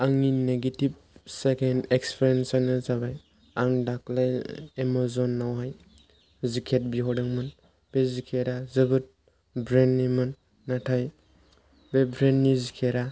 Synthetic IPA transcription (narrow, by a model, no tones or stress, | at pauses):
aŋineɡetib̚ | sekʰenekspʰɾensanɯzabaj | aŋdak̚lajemɔzɔnːawɦaj | zikʰet̚biɦɔdɯŋmɯn | b̥ezikʰeɾazɯbɯt̚ | bɾenːimɯnː | atʰaj | bebɾenːizikʰeɾa